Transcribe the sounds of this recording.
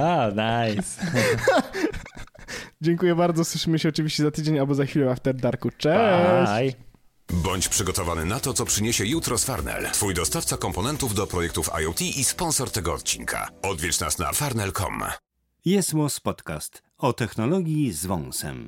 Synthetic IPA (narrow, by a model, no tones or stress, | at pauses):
anajs | d͡ʑɛŋkujɛbaɾd̪zɔswɘʂɘmɘɕɛɔt͡ʂɨvʲiɕt͡ɕɛzat̪ɘd͡ʑeɲalbɔzaxfʲilɛaft̪ɛɾd̪aɾkut͡ʂɛj | bɔɲt͡ɕpʂɘɡɔt̪ɔvanɘnat̪ɔt̪sɔpʂɘɲeɕɛjut̪ɾɔsfaɾnɛ̰lt̪fujd̪ɔst̪aft̪sakɔmpɔnɛnt̪uvd̪ɔpɾɔjɛk̚t̪ufa̰jɔwt̪ʲiʔispɔnsɔɾt̪ɛɡɔɔt̪̚t͡ɕiŋkʰa̰ɔd̪vʲjɛt͡ʂna̰sna̰faɾnɛlkɔ̰m | jɛswɔspɔt̪ka̰st̪ | ɔt̪ɛxnɔlɔɡʲjizvɔ̃nsɛ̰m